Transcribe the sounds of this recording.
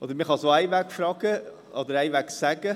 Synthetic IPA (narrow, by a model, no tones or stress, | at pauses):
ʔod̪əɾmɪχɑsoːæɪʋækfɾɑːɡ̥ə | ɔd̪əɾæɪʋæksæɡ̥ə